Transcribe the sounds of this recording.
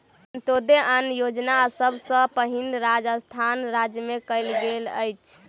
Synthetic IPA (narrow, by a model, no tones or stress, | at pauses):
nt̪od̪eʔənjod͡ʒnasəbsə̃pəɦinɾad͡ʒəst̪ʰanɾad͡ʒjəmekəɪlɡelə̰jt͡ʃʰ